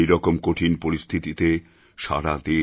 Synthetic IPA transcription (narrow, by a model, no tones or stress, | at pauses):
jɾɔkomkoʈʰinpoɾist̪ʰit̪it̪e | ʃa̰ɾad̪e